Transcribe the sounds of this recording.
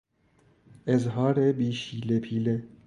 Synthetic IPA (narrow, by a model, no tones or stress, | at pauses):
ɪzɦɑːɾebiːʃiːlepʰiːle